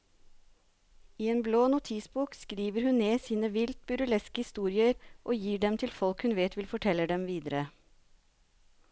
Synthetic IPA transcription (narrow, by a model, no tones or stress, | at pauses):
iːeːnbloːnʊt̪ʰɪsbuːkskɾiːʋəɾhʉnneːsiːnəʋɪlt̪̚bʉɾʉlɛskəhɪst̪uːɾɪəɾʔoːjiːɖɛmt̪ʰɪlfɔlkhʉnʋeːt̪ʰʋɪlfɔʈʰɛlːəɖɛmʋiːd̪əɾə